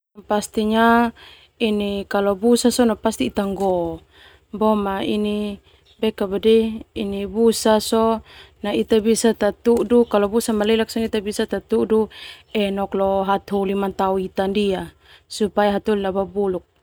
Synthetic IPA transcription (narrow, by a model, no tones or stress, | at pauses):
past̪iɲa | inikalɔbusasɔnapast̪iːt̪aŋɡɔ | bɔmaḭni | bɛkabadiinibusasɔnait̪abisat̪at̪udukalɔbusamalɛlak̚sɔnit̪abisat̪at̪uduɛnɔklɔɦat̪ɦulimant̪auit̪andia | supajaɦat̪ulilababuluk̚